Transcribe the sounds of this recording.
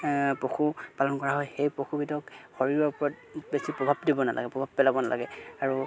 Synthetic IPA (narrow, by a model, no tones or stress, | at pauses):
pɹoxupalɔnkɔɹaɦɔjxejpɹɔxʰubidɔkxoɹiɹɔɹpɔɹɔt̚ | besipɹɔbʱabdibɔna̰lʔa̰ɡɛpɹɔbʱabpɛlabɔnala̰ɡɛaɹu